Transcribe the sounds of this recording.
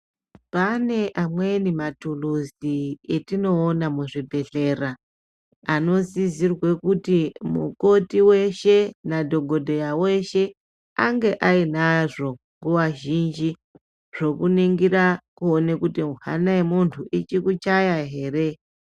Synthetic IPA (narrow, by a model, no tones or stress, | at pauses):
pane̞ʔamwe̞nimatuluzietino̞ːnamuʐibʱe̞ɮe̞ra | ano̞zizirwe̞kutimṵko̞tiwe̞ʃe̞nadʱo̞ɡʱo̞dʱo̞jaweʃe̞ | aŋɡe̞ʔainaʐo̞ | ŋɡuʋaʒind͡ʒi | ʐ̥o̞kuneŋɡiɾakuonekutiuɦa̰naemuntʰuʔit͡ʃikut͡ʃajaɦe̞ːɾe̞